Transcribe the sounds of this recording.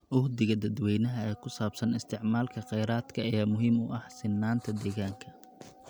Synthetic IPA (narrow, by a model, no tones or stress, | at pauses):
ʔʊhd̪ɪɣɐd̪ɐd̪wɛjnɐɦɐɛːkʰʊsaːbsɐnɪst̪ʰɪʕmaːlkʰɐqɛjɾaːd̪kʰɐɛːmʊɦimʊ̰ʔɐhsɪnːaːnt̪ʰɐd̪ɛːɣaːŋkʰɐ